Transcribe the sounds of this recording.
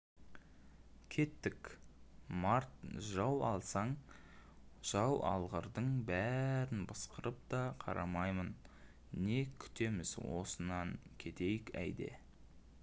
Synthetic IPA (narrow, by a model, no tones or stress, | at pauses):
kʲʰe̞t̪ːɪk | mɑɾt̪ʒɑwɑlˠsɑɴ | ʒ̥ɑwɑ̰lˠʁəɾd̪əɴbæɾɪnbɑsqəɾəp̚t̪ɑqʰɑ̰ɾʔɑ̰mɑjmən | ne̞kʲʰʏ̥t̪e̞mɪzwo̞̰sənɑŋkʲʰe̞t̪e̞jɪkæ̰jd̪e̞̰